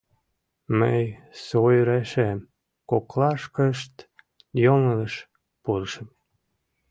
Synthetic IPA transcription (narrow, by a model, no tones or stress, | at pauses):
məjsojɾæʃem | koklɑʃkəʃt̪ | joŋələʃ | purʃəm